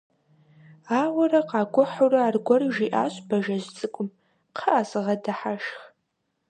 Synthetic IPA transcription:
aːwɐrɐqɑːɡʷʊħurɐarɡʷɔrʒiːʔaːɕʼbɐʒɐzt͡sʼɨkʷʼʊm | qʰəʔasɨʁɐdɐħaʃx

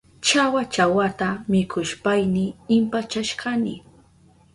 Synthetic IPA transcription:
t͡ʃawat͡ʃawat̪amɪkʰʊʃpajnɪɪmpat͡ʃaʃɢɑnɪ̰

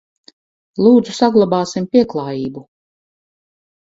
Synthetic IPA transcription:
lˠuːd̪zusaɡlˠabaːsimpʲiɛklˠaːjiːbu

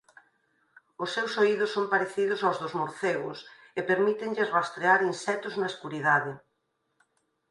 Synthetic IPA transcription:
ʊsːewsoiðʊsːompaɾeθiðʊsawzðʊzmoɾθeɣʊ̰s | epeɾmit̪eŋʎɪrast̪ɾeaɾinsɛt̪ʊznaeskuɾiðaðɪ

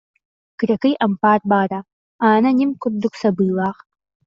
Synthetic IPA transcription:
ɡ̥ɨrɐkɨjʔɐmpaːrbaːra | aːnɐnimkʷʰʊrd̪ʊkʷsɐbɨːlaːʁ

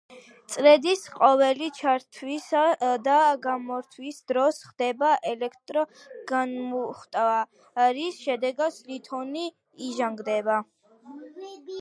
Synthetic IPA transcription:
t̪sʼɾɛd̪isqʼɔvɛlit͡ʃʰaɾt̪ʰwisad̪aɡamɔɾt̪ʰwisd̪ɾɔsχd̪ɛbaʔɛlɛkʰt̪ʼɾɔ | ɡ̥anmuχt̪ʼa | ɾisʃɛd̪ɛɡat̪sʰlit̪ʰɔniː | ʒaŋɡd̪ɛba

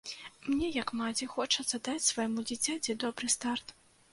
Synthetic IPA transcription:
mnʲɛjɐkmad͡zʲixɔt͡ʂɐt̪sɐd̪at͡sʲsvɐjmud͡zʲit͡sʲad͡zʲɛd̪ɔbɾɨst̪art̪

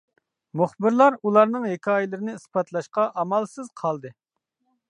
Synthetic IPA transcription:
muχbɪɾlˠɑɾulˠɑɾnɨŋɦekʲʰɑːjɪlˠɨɾɪnɪispɑt̪ʰlˠɑʃqɑʔɑmɑlˠsɨz̥qʰɑlˠd̪ɨ

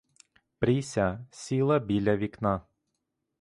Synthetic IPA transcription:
pɾʲisʲasʲilˠɐbʲilʲaʋʲiknɑ

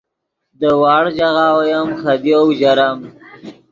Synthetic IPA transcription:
d̪əwɑːɽd͡ʒaɣaːwajamxad̪iawd͡ʒaɾam

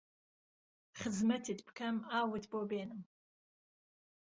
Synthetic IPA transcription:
χəzmɐtʰitpʰkʰamaːwɨtʰbobeːnɨm

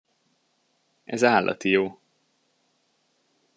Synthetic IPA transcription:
ʔɛzaːlːʔɒ̰t̪ijoː

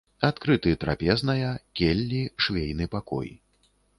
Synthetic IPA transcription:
at̪kɾɨt̪ɨt̪ɾa̰pʲɛznɐjɐkʲelʲːiʂvʲejnɨpakɔ̰j

